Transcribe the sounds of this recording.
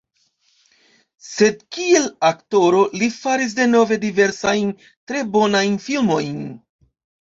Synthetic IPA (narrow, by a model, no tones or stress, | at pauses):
se̞d̚kie̞lakto̞ɾo̞lifaɾis̬de̞no̞ve̞dive̞ɾsajn | tɾe̞bo̞najnfilmo̞jn